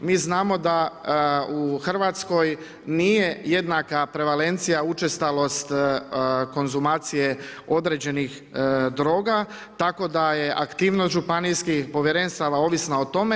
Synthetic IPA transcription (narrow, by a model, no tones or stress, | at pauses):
miːznaːmo̞d̪a | uxr̩ʋat̪sko̞j | nije̞jed̪nakapɾe̞ʋale̞nt̪sijaut͡ʃest̪alo̞st̪ | ko̞nzumaːt̪sije̞o̞d̪ɾe̞d͡ʑe̞nix | d̪ɾo̞ːɡa | t̪ako̞d̪aje̞ʔakt̪iːʋno̞st̪ʒupanijskixpo̞ʋjeɾenst̪aʋao̞ʋisnao̞t̪o̞me̞